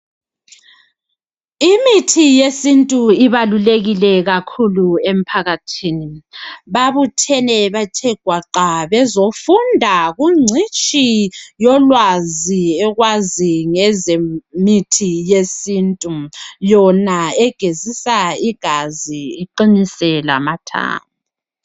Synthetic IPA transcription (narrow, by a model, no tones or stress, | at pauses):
imitʰijesintʼuiβaluleɣilɛɣakʰuluem̩pʰaɣatʰiniβaβutʰɛnɛβatʰɛɡ̥ʱwaǃaβɛzofundʱaɣuŋ͡ǀʱit͡ʃʼijɔlwaziɛɣwaziŋɛzemitʰijesiːntʼujɔnaɛɡ̥ʱezisaiɡ̥ʱaziːǃinisɛla̰matʰa̰ːŋu